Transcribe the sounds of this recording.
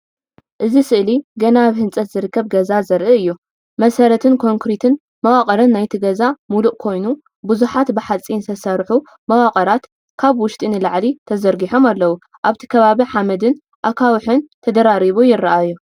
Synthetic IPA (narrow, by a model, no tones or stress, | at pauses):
ʔɨzisɨʔliɡɐnaβhɨnt͡sʼɐt̪zɨɾɨkːɐβɡɐzazɐɾʔɨɨjːu | mɐsɐɾɐt̪ʰɨnkʰo̞ŋkɾit̪ʰɨn | mɐwaqʼɐɾɐnːajt̪ʰiɡɐzamuluʔʼkʰo̞jnu | buzuħat̪bɨħat͡sʼint̪ʰɐsɐɾħu | mɐwakʼɐɾat̪ | kʰaβwʊʃt̪ʼinɨlaʕlit̪ʰɐzɐɾɡiħo̞malːɐwu | ʔaβt̪ʰi̥kʰɐβaβiħamɐd̪ɨn | ʔakʰawħɨnt̪ʰɐd̪ɐɾaɾiβujɪɾːɐʔaju